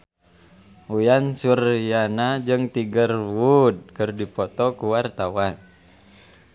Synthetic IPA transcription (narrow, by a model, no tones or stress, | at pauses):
ujansurijanad͡ʒɨŋt̪iɡərwud̚kɨrdipɔt̪ɔkuwart̪awan